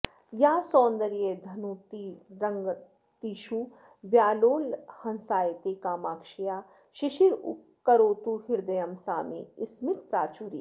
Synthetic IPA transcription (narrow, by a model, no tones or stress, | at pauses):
jaːsɔːnd̪ɐɾijed̪ʱɐnut̪iɾɐŋɡ | t̪iːʃu | ʋjaːloːlhɐnsaːjt̪ekaːmaːkʃijaː | ʃɪʃiɾu | kːɐɾoːt̪uɦɪɾd̪ɐjɐmsaːmḛɪsmɪt̪̚pɾaːt͡ʃuːɾḭː